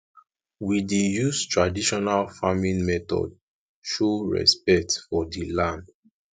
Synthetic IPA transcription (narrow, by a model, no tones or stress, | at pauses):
widijustɹadiʃɔnalfamĩnmɛtɔ̰d̚ | ʃuɹɛ̰spɛk̚tfɔdilãnd